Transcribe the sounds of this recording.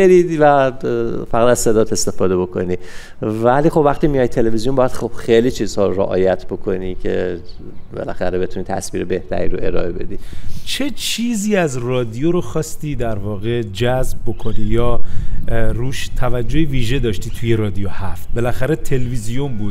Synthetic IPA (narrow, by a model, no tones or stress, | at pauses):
eɾiːd̪væ | fæɣæd̪æz̥se̞d̪ɒːt̪ʰe̞st̪e̞fɒːd̪e̞bo̞kʰo̞̰ni | væliːxobvæxt̪iːmijɒːjt̪ʰːe̞levizijombɒːjæd̪xob̥xelit͡ʃʰiːz̥hɒːɾo̰ʔɒ̰ːjæt̪ʰbo̞kʰo̞nicʰe̞̰ | bḛlæ̰xæɾebe̞t̪ʰunit̪ʰæ̰sbiːɾebe̞ht̪ʰæ̰ɾḭːɾoe̞ɾɒ̰ːʔebe̞̰d̪it͡ʃʰe̞t͡ʃʰiːziːæzrɒːd̪ijoɾoxɒːst̪iːd̪æɾvɒːɣe̞d͡ʒæzb̚bo̞kʰo̞nijɒː | ɾuːʃt̪ʰævæd͡ʒːohiviːʒed̪ɒːʃt̪iːt̪ʰuje̞ɾɒːd̪ijohæft̪̚be̞læxæɾe̞t̪ʰe̞lvizijombuːd̪